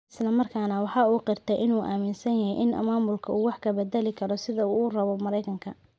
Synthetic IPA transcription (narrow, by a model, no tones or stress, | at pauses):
ʔɪ̥slɐmɐrkʰaːnɐwɑħɑːuːqɪrt̪ʰɛʔɪnuːʔa̰ːmɪnsɐnjɐɦɛjʔɪnɐ̰maːmʊlkʰɐʔuːwɑħkʰɐbɛd̪ɛlɪkʰɐɾɔsɪðɐuːrɐβɔmɐɾɛjkʰɐŋkʰɐ